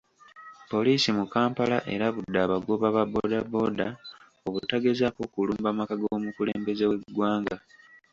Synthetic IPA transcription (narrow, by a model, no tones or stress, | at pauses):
po̞liːsimukaːmpalaʔe̞̰ɾaβudːaːβaɡo̞βaβabo̞ːdabo̞ːda | o̞βutaɡe̞zako̞kuluːmbamakaɡoːmukulḛːmbe̞ze̞we̞ɡwaːŋɡa